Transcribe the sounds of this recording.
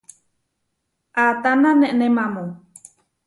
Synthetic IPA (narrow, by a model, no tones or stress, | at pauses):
ʔat̪ananɛʔnemamo